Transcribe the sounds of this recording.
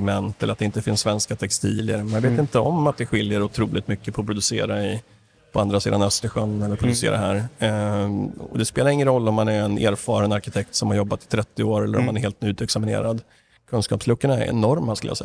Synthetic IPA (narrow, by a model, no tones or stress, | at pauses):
mɛnt̪ɛlːɾat̪̚d̪ɛɪnt̪əfɪnsːvɛnskat̪ʰɛkst̪ʰiːljəɾmanveːt̪ɪnt̪əɔmat̪̚d̪ɛɧɪljəɾʊt̪ʰɾuːlɪt̪mʏkːəpʰʊpʰɾʊd̪ɵseːɾaɪ | pʰɔand̪ɾasḭːd̪anœst̪əɧœnːɛləɾpɾʊd̪ɵsḛːɾa̰ɦæːɾ | ɔ̰d̪ɛspeːlaɾɪŋːənɾɔlːɔmːanæɾɛnḛːɾfɑːɾənaɾkɪt̪ʰɛk̚t̪sɔmhaɾjɔbːat̪ɪ̥t̪ʰɾɛt̪ːɪoːɾɛlːəɾɔ̰mːanæɾɦeːlt̪̚nʉ̟ːt̪ɛksamɪnḛːɾad̪ | kʰɵnskɑ̰ːpslɵkːəɳaɛ̰ɾɛ̰nɔɾmaskɵlj̰a̰sɛ̰j